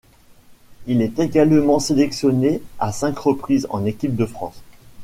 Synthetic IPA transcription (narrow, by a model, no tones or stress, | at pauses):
ilɛt̪eɡalmɑ̃selɛksjɔneasɛ̃kʁəpχizɑ̰̃nekʲip̚d̪əfχɑ̰̃s